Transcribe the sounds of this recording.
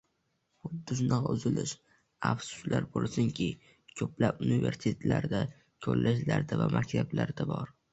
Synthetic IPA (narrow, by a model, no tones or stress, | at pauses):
χʊd̪ːɪʃ̬ʊnɒqʊzɪlɪʃ | afsʊ̥ʃlaɾbolˠsʊŋkʲʰɪ | kʲʰɵplapʊnive̞ɾst̪ʰlaɾd̪a | kʲʰɵɾlʔaʃlaɾd̪avamakʲt̪ʰablaɾd̪abɒɾ